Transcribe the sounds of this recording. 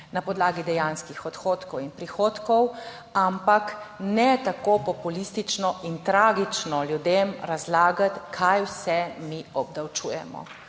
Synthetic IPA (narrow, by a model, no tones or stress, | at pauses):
napɔd̪laːɡid̪ɛjanskixɔt̪xoːt̪kɔwinpɾixoːt̪kɔw | ampaknɛt̪akopɔpulist̪it͡ʃnɔʔint̪ɾaːɡit͡ʃnɔljud̪emɾazlaːɡat̪kʰajwsɛmiɔb̚d̪awt͡ʃuːjɛmɔ̰